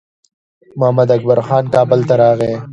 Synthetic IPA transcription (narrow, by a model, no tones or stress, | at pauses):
mʊɦamad̪ɐk̚baɾxɑːnkɑːbəlt̪aɾɑːɣeː